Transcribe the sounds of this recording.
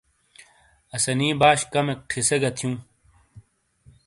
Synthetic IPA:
ɐsɐnĩːbaːɕkɐmek̚ʈʰiseɡɐt̪ʰjũː

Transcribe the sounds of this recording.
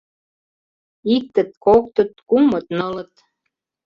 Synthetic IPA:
ik̚t̪ə̆t̪̚kok̚t̪ə̆t̪̚kumə̆t̪nɤlə̆t̪

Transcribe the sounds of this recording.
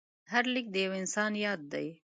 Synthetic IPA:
ɦaɾlɪk̚d̪əjawɪnsɑnjɑd̪̚ːa̰j

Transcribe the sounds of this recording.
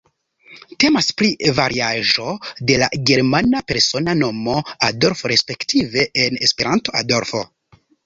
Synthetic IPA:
te̞maspɾivaɾiaʒo̞de̞la̰ɡe̞ɾmanape̞ɾso̞nano̞mo̞ado̞ɾfoɾe̞spe̞ktʰive̞ʔːnespeɾanto̞ado̞ɾfo̞̰

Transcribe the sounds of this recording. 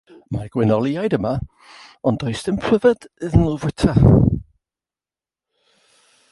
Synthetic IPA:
maɡ̥wɪnɔlˠiajdəma | ɔndɔjsdɪmpʰr̥əvəd̥ɪðənəlˠvwɪtʰa

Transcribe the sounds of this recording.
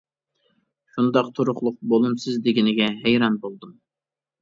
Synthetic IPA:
ʃund̪ɑqt̪ʰoɾʊχlˠʊq̚bolˠumsɨzd̪ɪɡʲinɪɡʲɛɦɛjɾɑnbolˠd̪um

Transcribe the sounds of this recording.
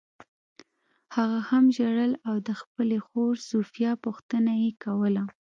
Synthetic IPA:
haɣahamʒaɽəlawd̪əxpəlexoɾsufjɑpʊxt̪ənajekawəla

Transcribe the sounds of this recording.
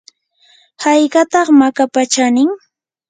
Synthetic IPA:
hajkɑt̪ɑχmakapat͡ʃanɪŋ

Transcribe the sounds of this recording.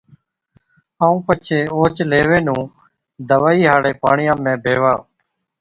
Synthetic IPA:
aːũːpət͡ʃʰeːoːt͡ʃleːʋẽːnũː | d̪əʋaːiːɦaːɽeːpaːɳɪjãːmẽːbʱeːʋaː

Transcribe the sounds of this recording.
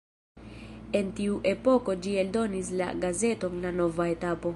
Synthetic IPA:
e̞ntiuʔe̞po̞ko̞d͡ʒie̞ldo̞nisla̰ɡaze̞to̞nlano̞vaetapo̞

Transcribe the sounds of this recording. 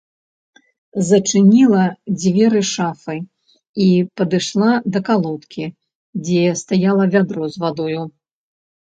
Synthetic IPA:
zɐt͡ʂɨnʲilˠɐd͡zʲvʲɛɾɨʂafɨ | ipɐd̪ɨʂlˠad̪ɐkalˠɔt̪kʲi | d͡zʲɛst̪ajalˠɐvʲad̪ɾɔzvad̪ɔju

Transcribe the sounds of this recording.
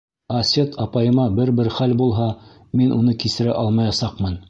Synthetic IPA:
ɐsʲet̪ʰɑpɑjɤ̆mɑbɘɾbɘɾχælbulˠɦɑ | minʔunɤkisɘ̆ɾæʔɑlˠmɑjɑsɑqmɤn

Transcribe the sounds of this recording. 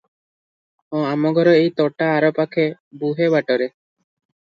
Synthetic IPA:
ɔ̃amɔɡʱɔɾɔejt̪ɔʈaːɾɔpakʰebuɦebaʈɔɾe

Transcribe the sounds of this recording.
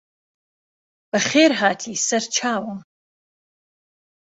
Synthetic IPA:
b̥ɐχeːrɦaːtʰisɐrt͡ʃʰaːwɐ

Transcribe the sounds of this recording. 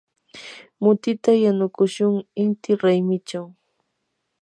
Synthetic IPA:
mʊt̪ɪt̪ajanʊkʊʃʊŋɪnt̪ɪɾajmɪt͡ʃaw

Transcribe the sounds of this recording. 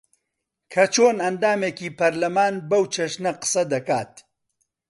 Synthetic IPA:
kʰɐt͡ʃʰoːnɐnd̪aːmeːkiːpɐɾlɐmaːnbɐwt͡ʃʰɐʃnɐqɨ̥sɐd̪ɐkaːt̪̚

